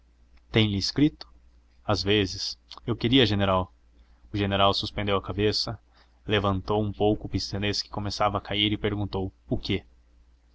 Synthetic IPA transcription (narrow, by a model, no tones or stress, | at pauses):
t̪ẽj̃lɪːskɾit̪ʊ̥ | azvezɪsewkɪɾiɐʒeneɾaw | ʊʒeneɾawsuspẽnd̪ewɐkabesɐ | levɐ̃nt̪owũpowkʊːpist̪eneskɪ̥komesavɐːkʰaiɾɪpeɾɡũnt̪owʊke